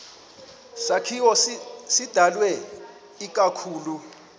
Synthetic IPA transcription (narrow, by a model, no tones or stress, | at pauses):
sakʰiwɔsid̥ʱalwɛ | ik̬ʼakʰuːlu